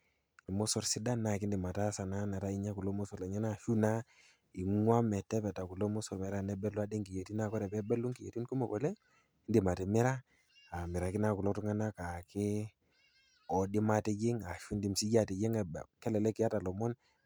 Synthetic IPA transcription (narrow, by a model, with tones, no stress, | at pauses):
i˨mɔ˦sɔ˨ɾsi˦da˦na˨ki˦ndi˨ma˨ta˦sa˨na˦na˨ta˦i˦ɲa˦ku˨lo˦mɔ˦sɔ˨la˨ɲa˦na˨ʃu˦na˦ | i˨ŋwa˦mɛ˨tɛ˦pɛ˨ta˨ku˨lo˦mɔ˦sɔ˨ɾmɛ˨ɾa˦nɛ˦bɛ˦lu˦a˦de˦ŋki˨je˨ti˦na˦˨kɔ˦ɾɛ˨pɛ˦bɛ˦lu˦ŋki˨jḛ˨ti˦nku˦mɔ˨kɔ˨lɛ˦ | ndi˨ma˨tɛ˨mɛ˦ɾa˦ | a˨mi˨ɾa˨ki˦na˨ku˨lɔ˦tu˦ŋa˦na˦ka˨kɪ˦ | ɔ˨di˦ma˦ti˦d͡ʒɪ˦ŋa˨ʃu˦ndi˦msi˦d͡ʒa˨ti˨d͡ʒi˦ŋ˨kɛ˦lɛ˨lɛ˦ki˨a˦ta˨lɔ˨mɔ˦n